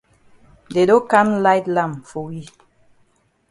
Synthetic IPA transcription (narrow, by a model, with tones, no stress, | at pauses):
de˨dõ˦ka˦nla˦ɪtlã˦˨mfɔ˨wi˦˨